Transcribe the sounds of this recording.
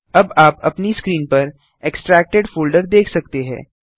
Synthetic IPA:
ɐbaːpɐ̰pniskɾiːnpɐɾ | eksʈɾɛːk̚ʈeɖfuːlɖəɾd̪eːkʰsɐk̚t̪eɦɛ̰̃ː

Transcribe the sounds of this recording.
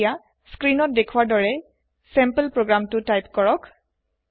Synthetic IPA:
ja | skɹinɔt̚dekʰwaɹdɔɹɛ | sɛmpəlpɹoɡɹamtʊtajpkɔɹɔk

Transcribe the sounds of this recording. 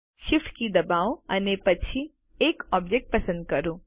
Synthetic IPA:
ʃɪfʈkid̪ɐbaːwɐ̰nepɐtːt͡ʃʰi | eːkɔːbd͡ʒek̚ʈ̚pɐsə̃nd̪̚kɐɾoː

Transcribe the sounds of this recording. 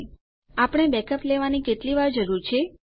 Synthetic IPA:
apəɽ̃ebɛkʰəpleʋaniketliʋaɾd͡ʒəɾuɾt͡ʃʰe

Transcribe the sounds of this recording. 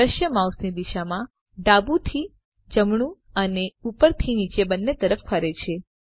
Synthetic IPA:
əʃjəmawsnid̪iʃamã | ɖabut̪ʰi | d͡ʒəmɳ̃ũ | əneupəɾt̪ʰinit͡ʃebənːet̪əɾəffəɾet͡ʃʰe

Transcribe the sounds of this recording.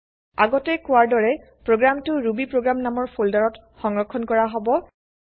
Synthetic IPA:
a̰ɡɔtɛkʊaɹdɔɹɛ | pɹoɡɹamtʊɹubipɹoɡɹamnamɔɹpʰoldaɹɔt | xɔŋɹɔkʰːɔnkɔɹaɦobɔ

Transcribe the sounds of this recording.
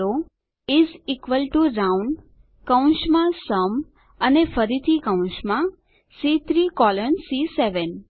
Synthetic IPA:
o | izikʋəlʈuɾawɳ | kə̃ũnʃmãsəm | ənefəɾit̪ʰikãũnʃmã | sit̪ʰɾikɔlənsiseʋən

